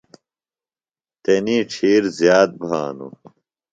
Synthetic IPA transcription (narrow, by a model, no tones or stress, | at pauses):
t̪eniːʈ͡ʂʰiːɾzjaːd̪̚bʱaːnṵ